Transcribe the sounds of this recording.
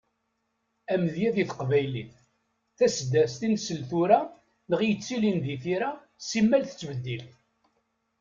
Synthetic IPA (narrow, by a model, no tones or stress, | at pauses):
æməðjæðiθəqvæjlḭθ | θæsd̪æst̪insəlθuɾa | nəʁjət͡sːilinðiθiɾa | simːælθə̥t͡sːvəd̪ːilθ